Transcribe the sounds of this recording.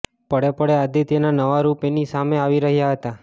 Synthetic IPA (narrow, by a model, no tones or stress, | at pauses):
pəɽepəɽead̪it̪enanəʋaɾupenisameaʋiɾəɦjaɦət̪a